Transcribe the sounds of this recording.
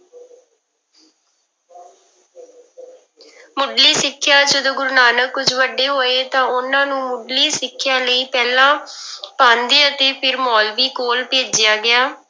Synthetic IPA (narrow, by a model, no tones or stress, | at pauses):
mʊɖliːsɪkʰːjaːd͡ʒəd̪õːɡʊɾnaːnəkːʊd͡ʒʋəɖeːɦoːeːt̪ãːʊnãːnũːmʊɖliːsɪkʰːɪjaːləiːpɛːlãːpãːnd̪eːət̪eːpʰɪɾmɔːlʋiːkoːlpeːd͡ʒɪjaːɡɪaː